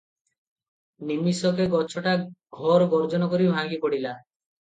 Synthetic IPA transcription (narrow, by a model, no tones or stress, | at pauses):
nimisɔk̬eɡɔt͡ʃʰɔʈaɡʱɔɾɡɔɾd͡ʒɔnɔkɔɾibʱãɡipɔɽila